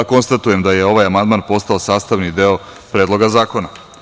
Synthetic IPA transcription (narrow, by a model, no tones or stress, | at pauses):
ko̞nst̪at̪uje̞md̪ajeo̞ʋajamand̪maːnpo̞st̪aosaːst̪aʋnid̪eo | pɾeːd̪lˠo̞ɡazaːko̞na